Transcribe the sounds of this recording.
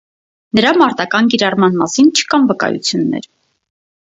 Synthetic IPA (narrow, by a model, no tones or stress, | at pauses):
nəɾɑmɑɾt̪ɑkɑnkiɾɑrmɑnmɑsint͡ʃʰə̥kɑnvəkɑ̰jṵt͡sʰjunːɛ̰ɾ